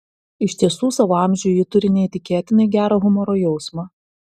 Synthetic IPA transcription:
ɪʃʲt̪ʲiɛsuːsɐʋoɑˑmʲʒʲuːjɪt̪ʊɾʲɪnʲɛit̪ʲɪkʲeːt̪ʲɪnɐɪɡʲæːɾɐɣʊmɔɾoːjɛʊsmɑː

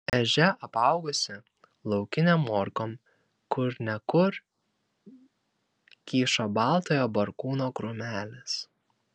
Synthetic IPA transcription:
ɛʒʲɛʔɐpɑˑʊɡʊsʲɪ | lˠɒʊkʲɪnʲɛmːɔːɾkoːm | kʊɾnʲɛkʊɾ | kʲiːʃobɑˑlˠt̪oːjoːbɐɾkuːnoːkɾʊmʲæːlʲɪs

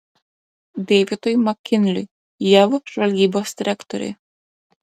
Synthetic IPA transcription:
d̪ʲeʋʲɪt̪ɔjmɐkʲːɪnʲlʲʊ̰ | jɛʋɔʒʋɐlʲɡʲiːboːsd̪ʲɪɾʲɛkt̪ɔ̰ɾʲɛ̰

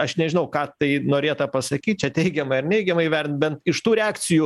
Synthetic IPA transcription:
ɐʃnʲɛʒʲɪnɐʊkɑːt̪ɐɪnoːɾʲeːt̪ɐpɐsɐkʲiːt̪̚ʲt͡ʃʲɛt̪ʲɛɪɡʲɛmɐɪrnʲɛɪɡʲɛmɐɪʋʲæɾʲnt̪̚bʲɛnt̪ɪʃt̪uːɾʲɛɑːkt͡ssʲɪjuː

